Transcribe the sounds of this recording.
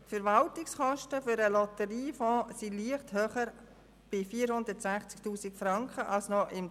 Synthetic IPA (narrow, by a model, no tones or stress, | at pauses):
fəɾvɑltɪksχɔʃtəfʏɾəlɔt̪əɾiːfɔ̃ːsiliəχthøːχəɾ | b̥ɪfiːəɾhʊnd̪ətsæχt͡sk̚tuːsɪkfɾɑŋkχəʔɑlsnɔʔɪm